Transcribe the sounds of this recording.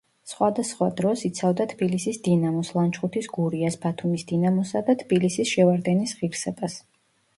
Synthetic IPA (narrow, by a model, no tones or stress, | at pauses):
sχwad̪asχwad̪ɾɔsit̪sʰavd̪at̪ʰbilisisd̪inamɔslˠant͡ʃχut̪ʰisɡuɾiasbat̪ʰumisd̪̥inamɔsad̪at̪ʰbilisisʃɛvaɾd̪ɛnisʁiɾsɛbas